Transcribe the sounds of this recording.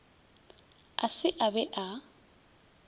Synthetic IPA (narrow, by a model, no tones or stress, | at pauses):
a̰sɪʔabɛʔa